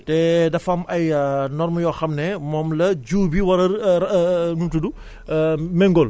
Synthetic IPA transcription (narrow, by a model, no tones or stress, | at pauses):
tedɐfamɐjnɔɾmɐjɔxɐmnɛmɔmlɐd͡ʒuːbiwɐɾɐɾ | nutudu | meŋɡol